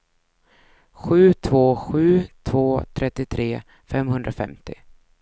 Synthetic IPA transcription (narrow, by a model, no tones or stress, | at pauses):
ɧʉ̟ːt̪ʰvoːɧʉ̟ːt̪ʰvoːt̪ʰɾɛt̪ːɪt̪ʰɾeː | fɛmhɵnd̪ɾafɛ̰mt̪ɪ̰